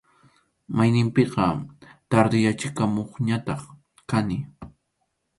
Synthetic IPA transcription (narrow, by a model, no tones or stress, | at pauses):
majnɪmpɪqɑt̪aɾd̪ɪjat͡ʃɪkamoχɲat̪ɑχ | kanɪ